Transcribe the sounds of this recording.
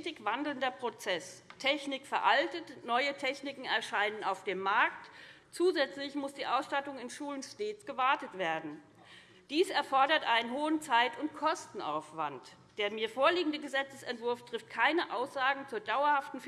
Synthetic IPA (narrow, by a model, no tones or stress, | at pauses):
tɪkv̥andl̩ndɐpʁ̥ot͡sɛstʰɛçnɪkfɛɐʔaltətnɔʏətʰɛçnɪkŋ̩ɛɐʃaɪnənaʊfd̥eːmːaɐkt | t͡suːzɛt͡slɪçmʊsd̥iːʔaʊsʃtatʊŋɪnʃuːlənʃteːt͡sɡ̥əvaɐtətv̥eːɐdn̩ | d̥iːsɛɐfɔɐɾɐtʔaɪnənhoːənt͡saɪtʊntkʰɔstn̩a̰ʊfv̥a̰nt | d̥eːɐmiːɐfoːɐliːɡŋ̩dəɡəzɛt͡səsɛ̰ntv̥ʊɐftʁ̥ɪft̚kʰaɪnəʔaʊsz̥aːɡŋ̩t͡suːɐdaʊɐhaftn̩f